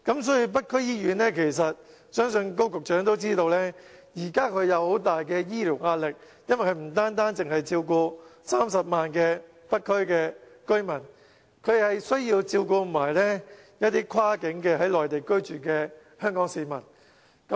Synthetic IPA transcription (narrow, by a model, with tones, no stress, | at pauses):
kɐ˨˥msɔː˨˥ji˧p̬ɐ˥t̚kʰɵ˥ɥjiː˥jyː˨˥nlɛː˥kʰe˨˩js̬ɐ˨t̚ | sœː˥ŋsɵ˧nko˥wkʊ˨k̚t͡ʃœː˨˥ŋt̪o˥wt͡siː˥t̪o˧wlɛː˥jiː˨˩kaː˥kʰɵ˨˧ɥjɐ˨˧who˨˥wt̪aː˨jkɛː˧jiː˥liː˨˩wŋaː˧t̚lɪ˨k̚ | jɐ˥nwɐ˨jkʰɵ˧ɥm̩˨˩t̪aː˥nt̪aː˥nt͡sɪ˨ŋhɐ˨jt͡siː˧wkɔː˧saː˥msɐ˨p̚maː˨nkɛː˧ | pɐ˥t̚kʰːɵ˥ɥkɛː˧kɵ˥ɥmɐ˨˩n | kʰɵ˨˧ɥd̪e˨hɐ˨jsɵ˥ɥjiː˧wt͡siː˧wkɔː˧m̩˨˩maː˨˩jlɛː˥ | jɐ˥t̪iː˥kʰwaː˥kɪ˨˥ŋkɛː˧hɐ˨˥jlɔː˨jt̪e˨jkɵ˥ɥt͡ʃyː˨˩kɛː˧ | hœː˥ŋkɔː˨˥ŋsiː˨˧mɐ̰˨˩n | kɐ˨˦